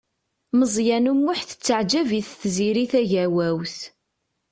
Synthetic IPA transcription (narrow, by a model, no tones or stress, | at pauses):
məzˤjænumːʊħθə̥t͡sːəʕd͡ʒæviθθziɾiθæʝæwæwθ